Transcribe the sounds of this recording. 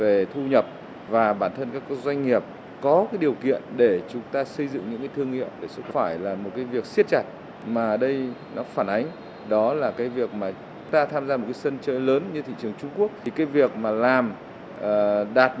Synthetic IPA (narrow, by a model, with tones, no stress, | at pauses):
ve˨˩t̪ʰu˧ɲə˨˩p̚ | vaː˨˩ɓaː˧˩nt̪ʰə˧nkaː˦˥kːzwa˧jŋ̟ŋi˨˩əp̚ | kɔ˨˦kaː˨˦jɗi˨˩əwkḭ˧˨ənɗe˧˩t͡ɕʊ˨˦ŋ͡mt̪aː˧sə˧jzɨ̰˧˨ŋɲɨ̰˧˥ŋkaː˨˦jt̪ʰɨ˧əŋḭ˧˨əwɗe˧˩zə˦˥t̚faː˧˩jlaː˨˩mo˨˩t̚kaː˨˦jvi˨˩ək̚si˦˥ət̚t͡ɕa˨˩t̚ | maː˨˩ɗə˧jnɔ˨˦faː˧˩nʔa˨˦ŋ̟ | ɗɔ˨˦laː˨˩kaː˨˦jvi˨˩ək̚maː˨˩t͡ɕʊ˨˦ŋ͡mt̪aː˧t̪ʰaː˧mzaː˧mo˨˩t̚kaː˨˦sə˧nt͡ɕəː˧jləː˨˦nɲɨ˧t̪ʰḭ˧˨t͡ɕɨ˨˩əŋt͡ɕʊ˧ŋ͡mku˦˥ək̚ʰi˨˩kaː˨˦jvi˨˩ək̚maː˨˩laː˨˩mː˨˩ | ɗaː˨˩t̚